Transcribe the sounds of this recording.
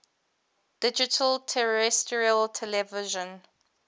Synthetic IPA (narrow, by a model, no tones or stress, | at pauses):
d̥ɪd͡ʒɪtʰəltʰɛɹɛstɹialtʰɛlɛvɪʒə̃n